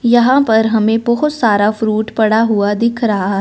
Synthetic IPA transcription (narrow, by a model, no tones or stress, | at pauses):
jɐɦãpɐɾɦɐmẽbɐɦʊt̪saːɾafɾuːʈpɐɽaɦuad̪ɪkʰɾɐɦaɦɛ